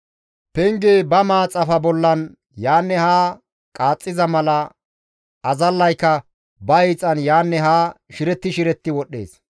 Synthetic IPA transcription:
pɛŋɡeːbɐmaːt͡sʼɐfɐbɔlːɐn | jaːnːɛhaː | kʼaːt͡sʼːɪzɐmɐlɐ | ʔɐzɐlːɐjkːɐ | bɐɛjt͡sʼːɐnjaːnːɛɦaːʃɪɾɛt̪ːɪʃɪɾɛt̪ːɪwɔɗːḛːs

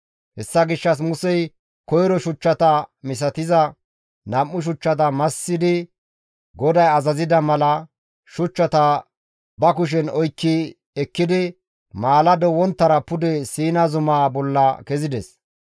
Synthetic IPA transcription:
hɛsːɐɡɪʃːɐs̬mʊsɛj | kɔjɾɔʃʊt͡ʃːɐt̪ɐmɪs̬ɐt̪ɪzɐ | nɐmːʊʃ̬ʊt͡ʃːɐt̪̬ɐmɐsːɪd̪ɪ | ɡɔd̪ɐjɐzɐzɪd̪ɐmɐlɐ | ʃʊt͡ʃːɐt̪ɐ | bɐkʊʃ̬ɛnɔjkːɪ | ɛkːɪd̪ɪ | maːlɐd̪ɔwɔnt̪ːɐɾɐpʊd̪ɛsiːnɐzʊmaːbɔlːɐkɛzɪd̪ɛs

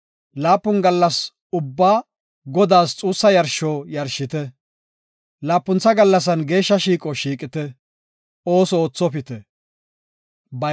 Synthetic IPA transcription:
laːpːʊnɡɐlːɐs | ʊbːaː | ɡɔd̪aːst͡sʼuːsːɐjɐɾʃoːjɐɾʃɪt̪ɛ | laːpːʊnt͡sːɐɡɐlːɐs̬ɐnɡe̞ːʃːɐʃiːkʼɔʃiːkʼɪt̪ɛ | o̞ːsɔoːt͡sːɔpɪt̪ɛ | bɐ

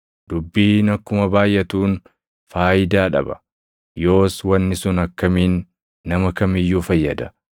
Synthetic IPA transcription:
d̪̥ʊbːiːnɐkːʊmɐbaːjʔɛt̪uːn | faːjɪd̪aːᶑɐ̰bɐ̥̰ | jo̞ːswɐnːɪsʊnɐkːɐmiːnː | ɐmɐkɐmɪjːuːfɐjːɐd̪ɐ̥

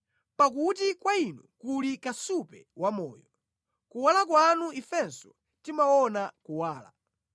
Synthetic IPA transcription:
pak̬ut̬ikwainukulikasupɛwamɔ̰ːjɔ | kuwalak̬wanuifɛnsɔ | timaɔnakuwaːla̰

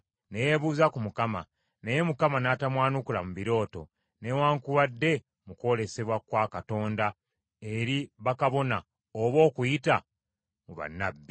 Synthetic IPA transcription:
nejeβuːzakumukama̰ | neje̞mukamanatamwaːnukula̰muβiɾo̞ːto̞̰ | ne̞waːŋkuβadːe̞ | muko̞le̞se̞βwakwaːkato̞ːnda | e̞ɾiβakaβo̞na | oβo̞ːkujita̰ | muβa̰nːabːi

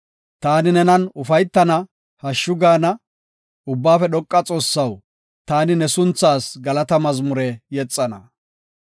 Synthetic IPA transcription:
t̪aːnɪnɛnɐnʊfɐjt̪ːɐnɐ | hɐʃːʊɡaːnɐ | ʊbːaːfɛɗɔkʼːɐt͡sʼo̞ːsːɐw | t̪aːnɪnɛsʊnt͡sːaːsɡɐlɐt̪ɐmɐzmʊɾɛjɛt͡sʼːɐnɐ̰

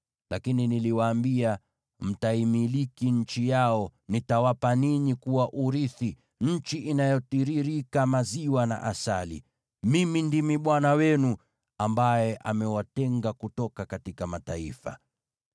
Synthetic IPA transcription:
lakininiliwaːmbia | m̩taimilikiɲ̩t͡ʃijaɔnitawapaniɲikuwaʔuɾiθi | ɲ̩t͡ʃiʔinajɔtiɾiɾikamaziwana̰ʔasalḭ | mimindimiɓwanawɛnu | ambajɛʔamɛwatɛŋɡakutɔkakatikamataifa̰

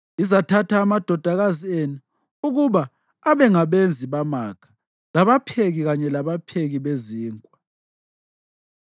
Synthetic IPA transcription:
izatʰatʰaːmad̥ʱɔd̥ʱaɣazienu | uɣuβaː | βɛŋaβend͡zʱiβamakʰḁ | laβapʰeɣiɣaɲɛlaβapʰeɣiβeziːŋʼwa

